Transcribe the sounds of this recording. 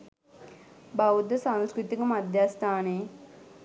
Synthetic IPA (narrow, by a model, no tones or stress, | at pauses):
bɐud̪ɐsanskɾut̪ikɐmɐd̪ʱjaːst̪ʰaːneː